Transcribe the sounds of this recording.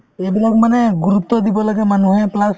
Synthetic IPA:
ebilakmanɛɡuɾupt̪ːɔd̪ibɔlaɡɛmanuɦɛplas

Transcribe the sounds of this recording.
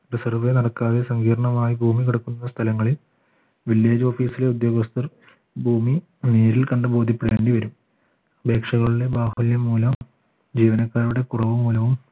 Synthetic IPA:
risɐrʋenɐɽɐkːaːðesɐŋɡiːɾɐɳɐmaːjibʱuːmikiɽɐkːunːɐst̪ʰɐlɐŋːɐɭil | ʋiljeːd͡ʑo̞ːfiːsileud̪jo̞ːɡɐst̪ɐr | bʱuːmi | neːɾilkɐɳɖɨbo̞ːd̪ʱipːiɽeːɳɖiʋɐɾum | be̞ːkʂɐɣɐɭiɽe̞baːhuljɐmːuːlɐm | d͡ʑiːʋɐnɐkːaːɾuɽe̞kurɐʋumːuːlɐʋum

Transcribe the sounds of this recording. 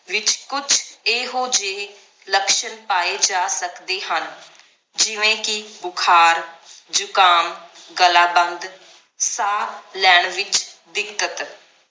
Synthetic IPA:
ʋɪt͡ʃkʊt͡ʃʰeːɦoːd͡ʒeː | ləkʃənpaːeːd͡ʒaːsəkd̪eːɦən | d͡ʒɪʋẽːkɪbʊkʰaːɾd͡ʒʊkaːmɡəlaːbənd̪ | saːlɛːɳʋɪt͡ʃd̪ɪkət̪

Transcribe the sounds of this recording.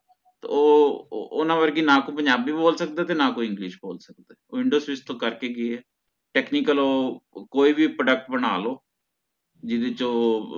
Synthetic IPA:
t̪ːoːʊnãːbəɾɡinãːkõːpəɲd͡ʒaːbiːboːlsək̚d̪eːt̪eːnãːkoːiɪ̃ŋɡlɪːʃboːlsəkd̪eːoːɪɳɖoːsɪst̪õːkəɾkeːɡɪeɛː | ʈɛːkniːkəloːkoːiːbiːpɾəɖək̚ʈbənaːloː | d͡ʒɪd̪ɪt͡ʃoː

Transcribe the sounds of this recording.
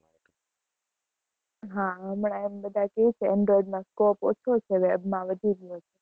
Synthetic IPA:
ɦãəmɳãembəd̪ʱakeit͡ʃʰeɛ̃ɳɖɾɔiɖmãskoːpo̰ːt͡ʃʰot͡ʃʰeʋebmãʋəd̪ʱiɾijot͡ʃʰe

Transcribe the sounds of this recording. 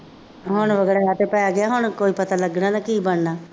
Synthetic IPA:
ɦʊɳ̃ʋəɡɛːɾaːaːt̪eːpɛːaːɡɪaːɦʊɳkoːiːpət̪aːləɡnãːd̪aːkiːbəɳnaː

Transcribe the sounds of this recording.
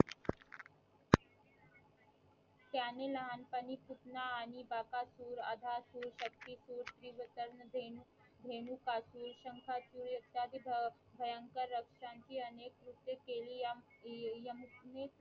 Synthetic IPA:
t̪janeləɦanpəniput̪naːnibakasuːɾəd̪ʱasuːɾɕək̚t̪isuːɾt̪ɾiʋət̪əɾnəd̪ʱe | d̪ʱenukasuːɾɕəŋkʰasuːɾjɐt̪jad̪ib | bʱəjəŋkəɾːəkʂãɲt͡ɕiːənekɾut̪ːjekeliː | jəmme

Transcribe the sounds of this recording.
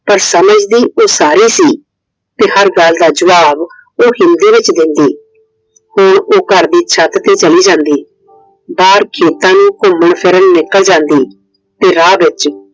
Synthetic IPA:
pəɾsəməd͡ʒd̪iːʔoːsaːɾiːsiː | t̪eːhəɾɡəld̪aːd͡ʒəʋaːb | oːhɪnd̪iːʋɪt͡ʃd̪ɪnd̪iː | hʊɳoːkəɾd̪iːt͡ʃʰət̪t̪eːt͡ʃəliːd͡ʒãːnd̪iː | baːɾkʰeːt̪ãːnũːkʊməɳpʰɪɾəɳnɪkəld͡ʒãːnd̪iː | t̪eːɾaːʋɪt͡ʃ

